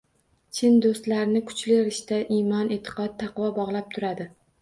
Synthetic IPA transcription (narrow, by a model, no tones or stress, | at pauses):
t͡ʃʰɪnd̪ost̪laɾɪnɪkʰʊ̥t͡ʃlɪɾɪʃt̪aʔimɒnet̪ʰɪ̥qʰɒt̪̚t̪ʰːɑqvɒbɒʁlˠap̚t̪ʰʊɾad̪ɪ